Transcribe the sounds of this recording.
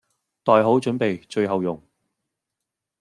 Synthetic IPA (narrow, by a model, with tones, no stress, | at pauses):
t̪ɔː˨jɦo˨˥wt͡ʃɵ˨˥npe˨jt͡ʃɵ˧ɥɦɐ˨wjʊ˨˩ŋ